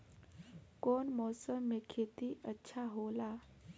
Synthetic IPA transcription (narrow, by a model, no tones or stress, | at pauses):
koːnmɔːsəmːekʰet̪iʔətːʃʰaɦola